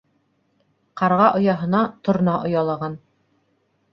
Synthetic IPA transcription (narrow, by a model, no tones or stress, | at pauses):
qɑɾʁɑʔŏjɑɦɤ̆nɑt̪ŏɾ̆nɑʔŏjɑlˠɑʁɑn